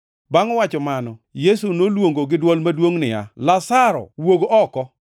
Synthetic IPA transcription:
baŋɔwat͡ʃɔmanɔjesunolwoŋɡoɡɪdwɔlmadwoŋnɪ̰a̰lasaɾɔ̰woɡoʔɔkɔ

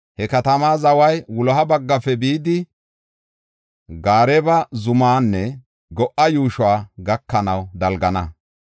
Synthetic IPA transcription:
hɛkɐt̪ɐmaːzɐwɐjwʊlɔɦɐbɐɡːɐfɛbiːd̪ɪ | ɡaːɾɛbɐzʊmaːnːɛ | ɡɔʔɐjuːʃwaːɡɐkːɐnɐwd̪ɐlɡɐnɐ

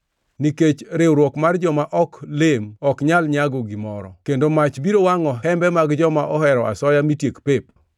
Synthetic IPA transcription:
niket͡ʃɾewɾwɔkmard͡ʒɔmaʔɔklemɔkɲalɲaɡɔɡimɔɾɔ̰kendomat͡ʃbiɾowaŋɔɦɛmbɛmaɡd͡ʒɔmaʔɔɦɛɾɔʔa̰sɔjamitjekpep̚

